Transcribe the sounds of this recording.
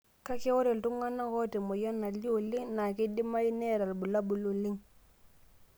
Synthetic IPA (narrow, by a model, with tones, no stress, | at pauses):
ka˦kɪ˦wɔ˦ɾe˨ltʊ˦ŋa˦na˦kɔ˦te˨mʊ˨jɔ˦na˨ljo˨lɪ˦ŋna˨kɪ˦di˦ma˦i˦ne˦˨ɾa˨lbu˨la˦bu˨lu˨li˦ŋ